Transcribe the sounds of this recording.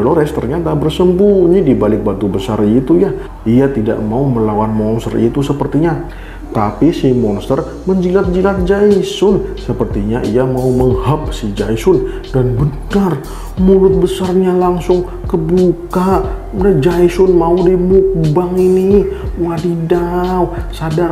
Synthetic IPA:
aloɾɛst̪ərɲat̪abərsəmbunidibalɪk̚bat̪ubəsa̰rit̪uja | ijat̪ida̰ʔmauməlawanmɔnst̪ərḭt̪usəpərt̪iɲa | t̪apisimɔnst̪ər | məɲd͡ʒilat̪̚d͡ʒilat̪̚d͡ʒaisʊnsəpərt̪iɲaʔijamauməŋhəp̚sid͡ʒaisʊn | danbənar | mulʊt̪̚bəsarɲalaŋsʊŋ | kəbukaʔ | dəd͡ʒaisʊnmaudimuk̚baŋiniwadidawsadar

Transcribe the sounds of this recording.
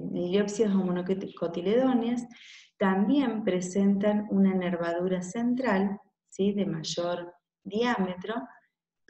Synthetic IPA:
niljopsiosomonokot̪ileðo̞njast̪ambje̞mpɾe̞se̞nt̪anunaneɾβaðuɾase̞nt̪ɾal | siðe̞maʒo̞ɾ | d̪jamet̪ɾo̞

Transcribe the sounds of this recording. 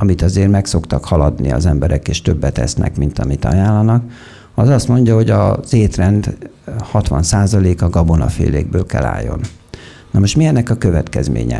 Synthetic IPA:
ɒmit̪ɒzeːrmɛkso̞kt̪ɒkhɒlɒd̪niɒ̰zɛmbɛɾɛkeːʃt̪øbːɛt̪ɛsnɛ̰kmint̪ɒmit̪ɒ̰jaːlːɒnɒk | ɒzɒst̪mo̞ɲɟɒho̞ɟɒz̥eːt̪rɛnd̪hɒt̪ʋɒnsaːzɒleːkɒɡɒbonɒfḛːlḛːɡ̚bøːlkɛ̰la̰ːjːo̞nnɒmoʃt̪miɛnːɛkɒkøvɛt̪kɛzmḛːɲɛ̰

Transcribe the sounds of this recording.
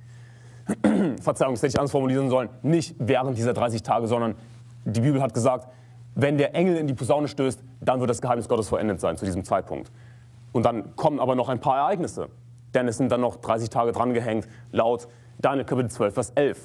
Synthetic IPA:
fɛɐt͡saɪʊŋdasɛtɪçʔansfɔɐmuliːʁənzɔlənːɪçtvɛːʁənt̚d̥iːzɐdʁaɪs̬ɪçtʰaːɡəzɔndɐn | diːbiːbl̩ɦat̚ɡ̥əzaːk̚t | vɛndeːɐʔɛŋl̩ɪndiːpʰuzaʊnəʃtøːst | d̥anvɪɐtd̥asɡ̥əɦaɪnɪsɡ̥ɔtəsfɔlʔɛ̰ndətz̥aɪnt͡sudiːzəmt͡saɪt̚pʰʊ̰ŋkt | ʔʊnt̚d̥ankʰɔmənʔaːbɐnɔχaɪnpʰaːɐɛɐʔaɪɡnɪsə̰ | d̥ɛnɛsz̥ɪnt̚d̥anːɔχd̥ʁaɪs̬ɪçtʰaːɡədʁanɡəɦɛŋt | laʊt | d̥anl̩kʰapɪtət͡sv̥œlfɛːɐsʔɛlf

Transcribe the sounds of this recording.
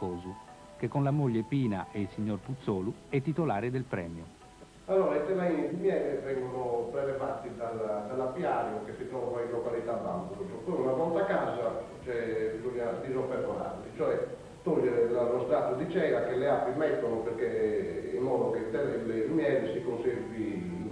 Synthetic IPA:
kɔːzu | k̟ekːɔnlamoʎːɛpiːna̰ʔɛilsiɲːɔrput̪sːɔːluɛt̪ːit̪ɔlaːɾɛd̪ɛlpɾɛ̰ːmjɔ | alːɔːɾait̪ɛmainid̪imjɛːɾɛvɛŋɡɔnɔbɾɛvɛvaɾt̪ːid̪alad̪alːapjaːɾjɔkesːit̪ɾɔːvaillɔkalit̪aːbːa̰mbuɾɔsɔpojunavɔnt̪akaːza | t͡ʃɛbizoɲːad̪izompɛɾvɔna̰nt̪it͡ʃɔɛ | t̪oʎːɛɾlalɔst̪ɾat̪ːud̪it͡ʃɛːɾakelɛapːimɛt̪ːonɔpeɾkeḭmːɔːd̪oket̪ɛlɛlɛlmjɛːɾɛsikonseɾvi

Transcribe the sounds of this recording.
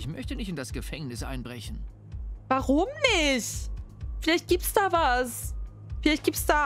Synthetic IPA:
ɪçmœçtənɪçtɪndasɡ̥əfɛŋnɪsʔa̰ɪnbʁɛçn̩ | vaʁʊmnɪçtfɪlaɪçt̚ɡ̥iːp̚tsd̥aːvas | fɪlaɪçt̚ɡ̥iːptsd̥aː

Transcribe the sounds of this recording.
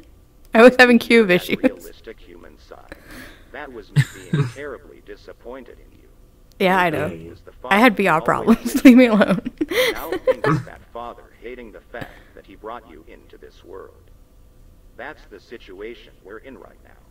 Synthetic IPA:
aɪwʌz̥hævɪ̃ŋkʰj̥ʉvɪʃʉlz̥ɪstɨkhjʉmɨ̃nsa̰ɪ | ðɨt̚wʌzbiɪ̃ŋtʰɛɹɨblḭdɪsɨpʰɔ̃ɪ̃ntɨ̰ɾɨ̰̃njʉ̰ | jæaɪnoʊwʌzaɪɨd̚biɔpʰɹ̥ɑ̰blə̃mzlivmiəlõʊ̃n | ɨ̰tfɑðə˞heɪɾɪ̃ŋðɨfæ̰k̚ðɨt̚hibɹɔt͡ʃɨ̰ʔɪ̃ntʰʉðɪ̰swɜ̰˞lˠd̥̚ | ðætsðɨsɪt͡ʃueɪʃɨ̃nwə˞ɨ̃nɹa̰ɪtⁿna̰ʊ

